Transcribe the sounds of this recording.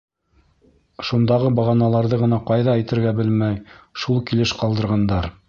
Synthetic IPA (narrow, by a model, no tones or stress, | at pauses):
ʃund̪ɑʁɤbɑʁɑnɑlˠɑɾðɤʁɤ̆nɑqɑjðɑæjt̪ɘ̆ɾɡæbɘlmæjʃulˠkilɘʃqɑlˠd̪ɤ̆ɾʁɑnd̪ɑɾ